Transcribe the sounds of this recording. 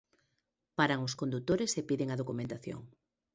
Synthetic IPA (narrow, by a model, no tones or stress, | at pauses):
paɾaŋʊskond̪ut̪oɾesepiðeŋaðokumẽnt̪aθjo̰ŋ